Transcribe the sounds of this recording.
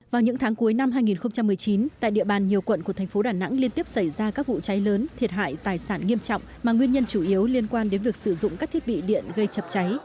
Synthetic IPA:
vaː˨˩wɲɨ̰˧˥ŋt̪ʰaː˨˦ŋku˨˦əjna˧mɦaː˧jŋi˨˩nxə˧wŋ͡mt͡ɕa˧mːɨ˨˩əjt͡ɕi˨˦nt̪a̰ː˧˨jɗḭ˧˨əɓaː˨˩nɲi˨˩əwkwə̰˧˨nku˧˩əɛ˨˩ŋ̟fo˨˦ɗaː˨˩na̰˧˥ŋli˧ənt̪i˦˥əp̚sa˧˩jzaː˧kaː˦˥k̚vṵ˧˨t͡ɕa˨˦jləː˨˦nt̪ʰi˨˩ət̚ɦa̰ː˧˨jt̪aː˨˩jsaː˧˩nŋi˧əmt͡ɕɔ̰˧˨wŋ͡mmaː˨˩ŋwi˧ənɲə˧nt͡ɕu˧˩ʔi˨˦əwli˧ənkwaː˧nɗe˨˦nvi˨˩ək̚sɨ˧˩zʊ̰˧˨ŋ͡mkaː˦˥kt̪ʰi˦˥t̚ɓḭ˧˨ɗḭ˧˨ənɣə˧jt͡ɕə˨˩p̚t͡ɕa˨˦j

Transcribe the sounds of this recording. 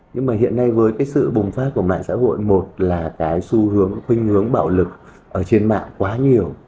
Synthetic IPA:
ɲɨ˧ŋmaː˨˩hḭ˧˨ənːa˧jvəː˨˦jkaː˨˦jsɨ̰˧˨ɓʊ˨˩ŋ͡mfaː˦˥ku˧˩əɓa̰ː˧˨nsa̰ː˧˥ho̰˧˨jmo˨˩t̚laː˨˩kaː˨˦jsu˧hɨ˨˦əŋxwï˧ŋ̟hɨ˨˦əŋɓaː˧˩wlɨ˨˩k̚ | ʔəː˧˩t͡ɕe˧nma̰ː˧˨ŋkwaː˨˦ɲi˨˩əw

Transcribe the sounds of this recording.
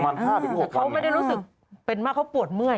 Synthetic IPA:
ma˧nʰaː˥˩ti˧˩u˥˩˨kʰa˦˥wma˥˩jda˥˩jɾuː˦˥sɯ˨˩k̚ | pe˧nmaː˥˩kʰa˦˥wpu˨˩ət̪̚mɯ˥˩ə

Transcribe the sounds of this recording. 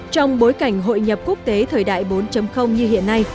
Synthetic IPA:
t͡ɕɔ˧wŋ͡mɓo˨˦jka˧˩jŋ̟ɦo̰˧˨jɲə˨˩p̚ku˦˥ək̚t̪e˨˦t̪ʰəː˨˩jɗa̰ː˧˨jɓo˨˦nt͡ɕə˨˦mxə˧wŋ͡mɲɨ˧ɦḭ˧˨ənːa˧j

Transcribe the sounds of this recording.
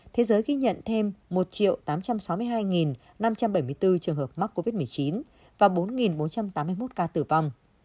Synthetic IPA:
t̪ʰe˨˦zəː˨˦jɣi˧ɲə̰˧˨nt̪ʰe˧mːo˨˩t̚t͡ɕḭ˧˨əwt̪aː˨˦mt͡ɕa˧msa˨˦wmɨ˧əjɦaː˧jŋi˨˩n | na˧mt͡ɕa˧mɓə˧˩jmɨ˧əjt̪ɨ˧t͡ɕɨ˨˩əŋɦəː˨˩p̚ma˦˥k̚kːo˧vi˦˥t̚mɨ˨˩əjt͡ɕi˨˦n | vaː˨˩ɓo˨˦nŋi˨˩nɓo˨˦nt͡ɕa˧mt̪aː˨˦mːɨ˧jmo˦˥t̚kaː˧t̪ɨ˧˩va˧wŋ͡m

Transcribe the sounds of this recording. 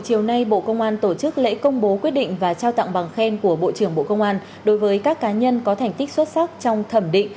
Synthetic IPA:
t͡ɕi˨˩əwna˧jɓo̰˧˨kə˧wŋ͡mʔaː˧nt̪o˧˩t͡ɕɨ˦˥k̚lḛ˧˥kə˧wŋ͡mɓo˨˦kwi˦˥t̚ɗḭ̈˧˨ŋ̟vaː˨˩t͡ɕaː˧wt̪a̰ː˧˨ŋɓa˨˩ŋxɛ˧nku˧˩əɓo̰˧˨t͡ɕɨ˧˩əŋɓo̰˧˨kə˧wŋ͡mʔaː˧n | ɗo˨˦jvəː˨˦jkaː˦˥kːaː˨˦ɲə˧nkɔ˨˦t̪ʰɛ˨˩jŋ̟t̪ï˦˥k̟̚swə˦˥t̚sa˦˥k̚t͡ɕɔ˧wŋ͡mt̪ʰə˧˩mɗḭ̈˧˨ŋ̟

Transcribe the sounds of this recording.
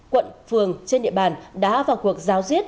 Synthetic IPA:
kwə̰˧˨nfɨ˨˩əŋt͡ɕe˧nɗḭ˧˨əɓaː˨˩nɗa̰ː˧˥vaː˨˩wku˨˩ək̚zaː˨˦wzwi˦˥ət̚

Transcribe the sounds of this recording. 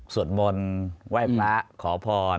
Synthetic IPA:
su˨˩ət̪̚mo˧nwa˥˩jpʰɾa˦˥kʰɔː˩˦pʰɔː˧

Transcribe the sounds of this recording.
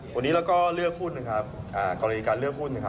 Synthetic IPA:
wa˧nːiː˦lɛː˦˥wkɔː˥˩lɯ˥˩əkʰuː˥˩t̪̚na˧˩kʰa˦˥p̚ | ʔaː˨˩kɔ˧la˧iː˧kaː˧nlɯ˥˩əkʰuː˥˩t̪̚na˧˩kʰa˦˥

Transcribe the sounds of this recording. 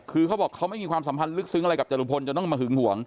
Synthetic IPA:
kʰɯː˧kʰa˦˥wbɔː˨˩kʰːa˦˥wma˥˩jmiː˧kʰwaː˧msa˩˦pʰa˧nlɯ˦˥k̚sɯ˧˦˥ŋʔɾa˧jka˨˩p̚t͡ɕa˧luː˧˩pʰo˧nt͡ɕa˨˩t̪ɔ˥˩ŋmaː˧ɦɯ˩˦ŋhu˩˦əŋ

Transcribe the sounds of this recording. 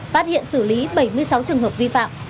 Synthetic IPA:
faː˦˥t̚hḭ˧˨ənsɨ˧˩li˨˦ɓə˧˩jmɨ˧əjsa˨˦wt͡ɕɨ˨˩əŋɦəː˨˩p̚vi˧fa̰ː˧˨m

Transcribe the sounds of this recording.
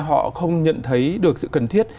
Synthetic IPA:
ɦɔ̰˧˨xə˧wŋ͡mɲə̰˧˨nt̪ʰə˨˦jɗɨ˨˩ək̚sɨ̰˧˨kə˨˩nt̪ʰi˦˥ət̚

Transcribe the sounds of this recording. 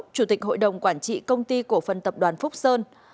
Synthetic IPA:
t͡ɕu˧˩t̪ï˨˩k̟̚ɦo̰˧˨jɗə˨˩wŋ͡mkwaː˧˩nt͡ɕḭ˧˨kə˧wŋ͡mt̪i˧ku˧˩əfə˨˩nt̪ə˨˩p̚ɗwaː˨˩nfʊ˦˥k͡p̚səː˧n

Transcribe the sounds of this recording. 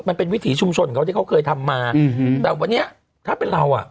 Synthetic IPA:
ma˧npe˧nwi˦˥t̪ʰiː˩˦t͡ɕʰu˧mt͡ɕʰo˧nkʰa˦˥t̪ʰiː˥˩ka˦˥wkʰɤː˧jt̪ʰa˧mːaː˧˨bɛː˨˩wa˧nːi˦˥ɐ | t̪ʰaː˥˩pe˧nɾa˧wʔa̰˨˩ʔ

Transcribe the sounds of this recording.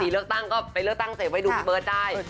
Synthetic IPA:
siː˨˦ɯ˥˩ək̚t̪a˥˩ŋkɔː˥˩pa˧jlək̚t̪a˥˩ŋseː˨˦wa˧jduː˧bɤː˧t̪̚daː˧˩j

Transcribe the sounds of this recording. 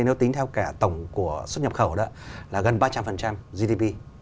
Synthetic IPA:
jne˨˦wt̪i˨˦ŋt̪ʰɛ˧wkaː˧˩t̪ə˧˩wŋ͡mku˧˩əswt̚ɲə˨˩p̚xə˧˩wɗə˨˦laː˨˩ɣə˨˩nɓaː˧t͡ɕa˧mfə˨˩nt͡ɕa˧mzi˧ɗi˧pi˧

